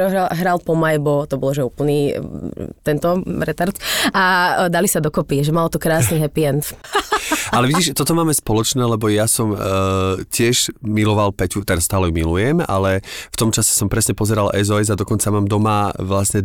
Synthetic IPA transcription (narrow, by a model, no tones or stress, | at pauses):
ɔɦaɦɾalpɔmajbɔt̪ɔbɔlɔʒɛuːpl̩niː | t̪ɛnt̪ɔɾɛt̪aɾt̪ad̪alisad̪ɔkɔpiʒɛmalt̪ɔkɾaːsniɦɛpiɛnt̪ | alɛʋiɟiːʃt̪ɔt̪ɔmaːmɛspɔlɔt͡ʃnɛːlɛbɔjasɔm | cɪɛʒmilɔʋalpɛcut̪ɛɾast̪aːlɛjumilujɛma̰lɛft̪ɔmt͡ʃasɛ̥sɔmpɾɛsɲɛpɔzɛɾalɛzɔɛzad̪ɔkɔnt͡samaːmd̪ɔmaʋlasɲɛ